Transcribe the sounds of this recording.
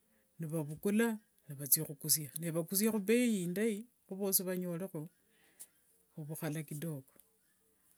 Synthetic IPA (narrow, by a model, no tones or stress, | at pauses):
niβaβukula | niβat͡sixukus̬janeβakus̬jaxuβejiːndai | xuβoːsiβaɲo̞lexo | xuβuxalakido̞ko̥